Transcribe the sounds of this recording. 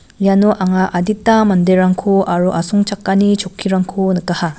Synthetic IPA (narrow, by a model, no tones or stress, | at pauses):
januʔaŋaʔaditːamandeɾaŋkʰuʔaɾuʔasɔŋt͡ʃakːanit͡ʃʰokʰːiɾaŋkʰunɯkːaha